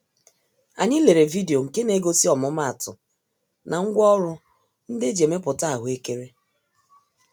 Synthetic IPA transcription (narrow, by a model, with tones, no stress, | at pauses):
a˨ɲɪ˦le˨ɾe˨vi˦de˨o˨ŋ̩˨ke˦ne˨˦ɡo˦si˦ɔ˨mʊ˦ma˦˨tʊ̰˨ | na˨ŋ̩˦ɡʷɔ˦ɾʊ˦ | n̩˦dɪ˦d͡ʒe˨me˦pʊ˨ta˦a˨ɦʊ˨˦e˦ke˦ɾe˦